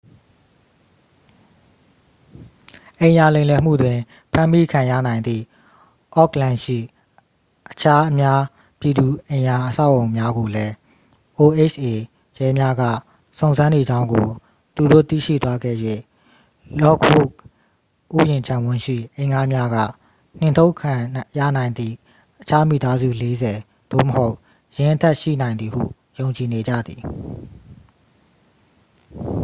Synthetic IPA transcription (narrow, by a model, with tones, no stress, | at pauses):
ʔẽ˨ɪ̃ʔja˨lẽ˨ɪ̃lɛ˨m̥ṵ˦˨dwɪ̃˨ | pʰã˦mi˦kʰã˨jä̰˦˨nã˨ɪ̃nd̪ðḭ˦˨ | ʔɔ˦˨klã˦nʃḭ˦˨ | ʔət͡ɕʰa˦ʔəmja˦ | pji˨d̪u˨ẽ˨ja˨ʔəsa˦ʊʔõ˨ʊ̃mja˦ɡo˨lɛ˦ | ʔo˨ʔe˦˨t͡ʃʰʔe˨ | jɛ˦mja˦ɡa̰˦˨ | sõ˨ʊ̃nzã˦ne˨d͡ʑã˦ʊ̃ŋɡo˨ | t̪u˨do̰˦˨t̪ḭ˦˨ʃḭ˦˨t̪wa˦ɡɛ̰˦˨jwḛ˦˨ | lɔ˦ɡbṵ˦˨k̚ | ʔṵ˦˨jɪ̃˨ɲt͡ɕʰã˨wʊ̃˦˨ʃḭ˦˨ʔḛ̃˦˨ɪ̃ŋʔa˦mja˦ɡä̰˦˨ | n̥ɪ̃˨ntʰo˦ʊkʰã˨jä̰˦˨nã˨ɪ̃nd̪ḭ˦˨ | ʔət͡ɕʰa˦mḭ˦˨t̪a˦zṵ˦˨le˦zɛ˨ | d̪̥o̰˦˨məho˦ʊʔ | jɪ̃˨ʔətʰɛ˦ʔʃḭ˦˨nã˨ɪ̃nd̪ði˨hṵ˦˨ | jõ˨ʊ̃ɲt͡ɕi˨ne˨d͡ʑa̰˦˨d̪ði˨